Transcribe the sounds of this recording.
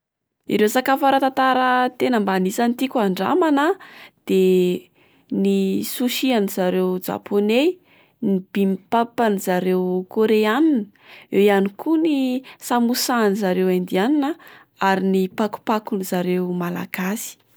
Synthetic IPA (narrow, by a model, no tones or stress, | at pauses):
ḭɾewsakafaɾat̪at̪aɾət̪enəmbanisant̪ikʲaɳɖ͡ʐa̰manəd̪̥e | nisuʃianizaɾewd͡ʒa̰pone | nib̥imipapanizaɾewkoɾeaninə | ewianikunisamusanizaɾewand̪ianinə | aɾinipaku̥pakunizaɾewmala̰ɡ̥asi̥